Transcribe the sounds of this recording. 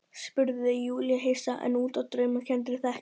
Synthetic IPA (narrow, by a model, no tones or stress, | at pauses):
spʏɾðɪjuːljaɦeːjsaʔɛ̰nuːt̪awt̪ɾœɥmacʰɛnt̪ɾɪθɛh